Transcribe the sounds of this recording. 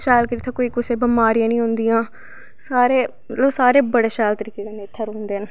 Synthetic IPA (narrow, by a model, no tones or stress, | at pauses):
ʃɛːlkəɾiːt̪ʰãːkoiːkʊseːbəmaːɾijãːnĩːɦʊ̃nd̪ijãː | saːɾeː | mət̪ləbsaːɾeːbəɽeːʃɛːlt̪əɾiːkeːkaneːt̪ʰːaɾoːnd̪eːən